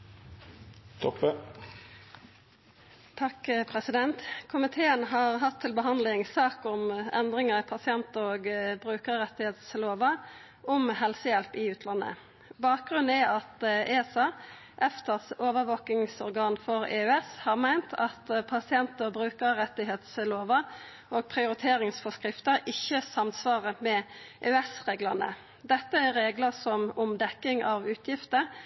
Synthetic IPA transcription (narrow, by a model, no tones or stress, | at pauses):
t̪ʰɔpːə | t̪ʰɑkːpʰʁɛsɪd̪ɛnt̪kʰʊmɪt̪ʰeːənɦɑːʁɦɑt̪ʰːɪlbəɦɑnd̪lɪŋsɑːkʊmɛ̰nd̪ʁɪŋəʁpʰɑsɪɛnt̪əoːɡbʁʉːkəʁʁɛt̪ːɪheːt̪sloːʋɑ | ʔʊmhɛlsəjɛlpɪʉːt̪ʰlɑnːə̰ | bɑːk̚ɡʁʉnæɑt̪eːsɑ | ʔɛft̪əʁsoːʋəʋoːk̪ɪŋsɔʁɡɑːnfɔʁḛːʉɛshɑːʁmæɪnt̪ʰɑt̪pʰɑsɪɛnt̪əʁbʁʉːkəʁʁɛt̪ːɪɦeːt̪sloːʋə | oːɡ̚pʰʁɪʊɾɪt̪ʰeːɾɪŋsfɔskʁɪft̪əɾɪçəsɑmsʋɑːʁəmɛʔeːɛsʁeːɡləʁnə̰ | d̪ɛt̪ːəæʁeːɡləsɔmɔmd̪ɛkːɪŋʔɑʋʉːt̪ʰjɪft̪ə